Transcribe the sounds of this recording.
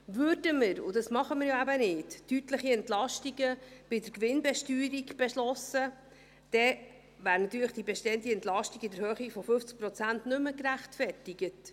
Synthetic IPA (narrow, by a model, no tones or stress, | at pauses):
vørdəmɪɾʊ̰dɑsmɑχəmɪɾjoæbənɪttytləχiɛntlɑʃtiɡəb̥ɪdəɾkʋɪnbɛʃtyːɾiɡb̥ɛʃlɔsə | d̪̥ɛ | væːɾnɑt̪yːləχd̥ibɛʃtɛənt̪iɛnt̪lɑʃtiɡɪdəɾhøːχifɔfɵft͡sk̚pɾɔt͡sæntnɵməkɾæχtfɛrtiɡ̥ət